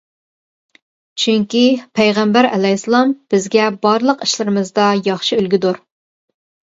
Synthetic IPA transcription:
t͡ʃʰyŋkʲipʰɛjʁæmbæɾɛ̰lɛjsɨlˠɑmb̥ɪzɡʲɛbɑɾlˠəqiʃlˠɪɾɨmɨzd̪ɑjɑχʃiølɡʲid̪uɾ

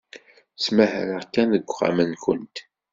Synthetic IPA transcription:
t͡smæhɾəʁkːænðəɡʷʁa̰mənkənt̪

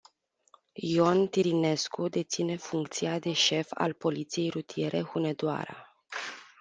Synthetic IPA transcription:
jo̞nt̪iɾine̞skud̪e̞t̪sine̞fuŋkt̪siad̪e̞ʃe̞fa̰lpo̞lit̪sije̞jɾut̪ije̞ɾʔe̞hune̞d̪oa̰ɾa̰

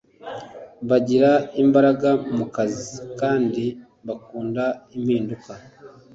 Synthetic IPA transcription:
βaɟiɾaimbaɾaɡamukazikaːndi | βakuːndaim̥hiːnduka

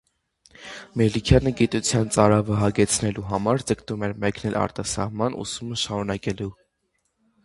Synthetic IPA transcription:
mɛlikʰjɑnəɡit̪ut͡sʰjɑnt͡sɑɾɑvəɦɑɡɛt͡sʰnɛluɦɑmɑɾd͡zəkt̪umɛɾmɛknɛlʔɑ̰ɾt̪ɑsɑ̰hmɑnʔṵsuməʃɑɾunɑkɛlu

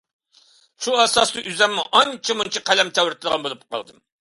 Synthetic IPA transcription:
ʃuɑsɑst̪ˠuʔyzɛmːuʔɑnt͡ʃʰɛmunt͡ʃʰiqʰælɛmt̪ʰɛwɾɪt̪ʰɨd̪əʁɑnbolˠup̚qɑ̰lˠd̪ɨm

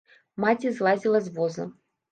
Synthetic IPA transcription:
mat͡sʲizlˠazʲilˠɐzvɔzɐ̰

